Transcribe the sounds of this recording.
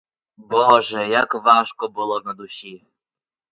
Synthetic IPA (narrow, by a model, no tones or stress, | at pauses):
bɔʒɛjakʋɑʃkɔbʊlˠɔnɐd̪ʊsʲi